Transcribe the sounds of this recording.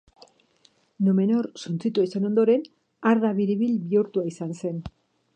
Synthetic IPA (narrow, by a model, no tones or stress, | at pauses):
nome̞noɾsunt͡sit̪uaiseno̞nd̪o̞ɾe̞n | aɾðaβiɾiβilβiuɾt̪uaisanse̞n